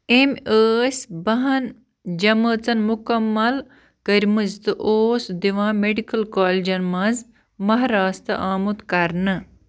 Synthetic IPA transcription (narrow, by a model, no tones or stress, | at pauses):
emʲəːsʲbɐɦɐn | d͡ʒɐməːt͡sɐnmukɐmːɐl | kəɾʲmɨzt̪ɨʔoːsd̪iʋãːmeɖikɐlkaːlʲid͡ʒɐnmɐ̃z | mɐɦɾaːst̪ɨ̰ʔaːmut̪kɐɾnɨ